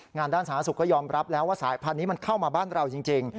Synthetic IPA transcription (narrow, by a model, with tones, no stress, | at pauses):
ŋaː˧ndaː˥˩nsaː˩˦˥su˨˩kːɔː˥˩jɔː˧mɾʔa˦˥p̚lɛː˦˥waː˥˩saː˩˦jpʰa˧nːiː˦˥ma˧nkʰa˥˩wmaː˧baː˥˩nɾa˧wt͡ɕi˧ŋt͡ɕi˧ŋ